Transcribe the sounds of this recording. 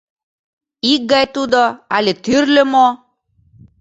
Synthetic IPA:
ik̚ɡɑjt̪ud̪oalʲet̪yɾlømo

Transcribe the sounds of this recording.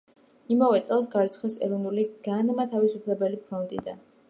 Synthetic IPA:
imavɛt̪sʼɛlˠs̬ɡaɾt̪sʰχɛsɛ̰ɾɔvnuliɡ̥anmat̪ʰavisupʰlɛbɛlipʰɾɔnt̪ʼḭd̪a̰

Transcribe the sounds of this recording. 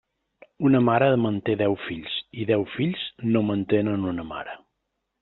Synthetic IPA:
unəmaɾəmənt̪eðɛwfiʎsiðɛwfiʎznomənt̪enənunəma̰ɾə

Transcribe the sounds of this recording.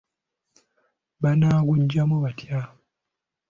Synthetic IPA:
banaːɡuɲɟamuβatja

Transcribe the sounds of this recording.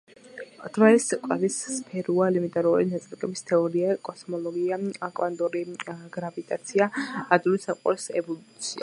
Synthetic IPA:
d̪̥valɛskʼwavisːpʰɛɾualimint̪ʼaɾulḭnat̪sʼlɛkʼɛbist̪ʰɛɔɾiakʼɔsmɔlˠɔɡiaakʼvand̪ʼuɾiɡ̥ɾavit̪ʼat̪sʰiaːd̪ulisamqʼɔ̰ɾsɛ̰vɔlut̪sʰia̰

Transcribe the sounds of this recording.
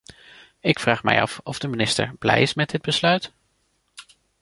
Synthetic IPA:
ɪkfraːχmɛ̰jɑ̰fɔvdəminɪstə̰ɹb̥lɛ̰jɪsmɛdɪd̚bəslœɥt

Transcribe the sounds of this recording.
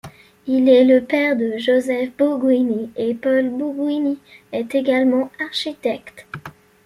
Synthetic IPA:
ilɛləpɛʁd̪əʒozɛfbuɡwiniepɔlbuɡwiniɛt̪eɡalmɑ̃aʁʃit̪ɛkt̪

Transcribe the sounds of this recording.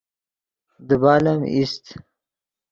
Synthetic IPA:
d̪əbaːlamist̪

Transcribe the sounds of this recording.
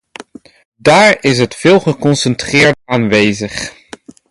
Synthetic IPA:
daːɹɪs̬ɦətfɪːlˠχəkɔnsəntrɪːɹdaːnʋejzəχ

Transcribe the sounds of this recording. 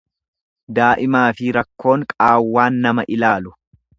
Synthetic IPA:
d̪aːʔɪmaːfɪɾɐkːo̞ːŋkʼaːwːaːnːɐmɐʔɪlaːlʊ

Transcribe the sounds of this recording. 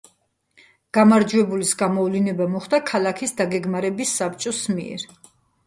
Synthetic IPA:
ɡ̥amaɾd͡ʒwɛbulisɡamɔvlinɛbamɔχd̪akʰalakʰisd̪aɡɛɡmaɾɛbisːap̚ʰt͡ʃʼɔsmiɛ̰ɾ

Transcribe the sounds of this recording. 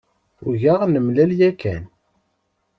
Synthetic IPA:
ṵʝaʁnəmlæljækæ̰n

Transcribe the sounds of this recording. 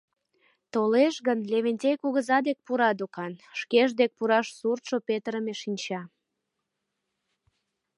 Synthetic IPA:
t̪oleʃɣənlʲeβenʲtʲejkuɣəzɑd̪ek̚puɾɑd̪okɑnʃkeʒd̪ek̚puɾɑʃsurt̪ʃopet̪əɾəmeʃinʲt͡ɕɑ

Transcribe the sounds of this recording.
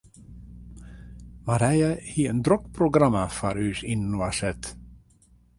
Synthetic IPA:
maɾæjahiɛnd̪ɾɔkpʰɾʊɡɾamafaɾʉːsinnuasɛt̪

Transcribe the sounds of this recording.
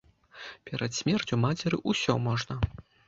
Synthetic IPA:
pʲɛɾɐt̪sʲmʲɛrt͡sʲumat͡sʲɛɾɨʔusʲɔmɔʐnɐ

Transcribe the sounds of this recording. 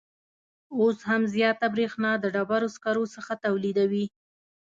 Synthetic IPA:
oshamzjɑt̪abɾexnɑd̪əɖabaɾoskaɾosəxat̪awlid̪awi

